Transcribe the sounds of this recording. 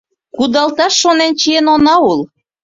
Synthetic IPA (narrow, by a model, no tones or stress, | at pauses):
kud̪ɑlt̪ɑʃːonent͡ɕienonɑul